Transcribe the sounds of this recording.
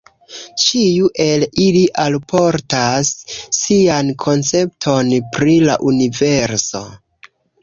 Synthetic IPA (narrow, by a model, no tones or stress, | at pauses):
t͡ʃijuʔe̞liliʔalpo̞ɾtasːiankʰo̞nt͡se̞p̚tʰo̞npɾila̰ʔunive̞ɾso̞̰